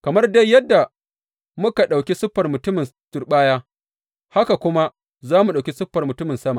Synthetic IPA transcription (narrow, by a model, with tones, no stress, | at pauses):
kɐ˨mɐ˦rda˦jːɐ˦dːa˨ | mʊ˦ka˨ɗa˨wkʲi˦sʊ˦ɸːɐ˨rmʊ˨tʊ˦mɪ˨ntʊ˨rɓaː˦jaː˦ | ha˦ka˨kʷʊ˦ma˦ | zaː˦mu˨ɗa˨wkʲi˦sʊ˦ɸːɐ˨rmʊ˨tʊ˦mɪ˨nsɐ˦ma˨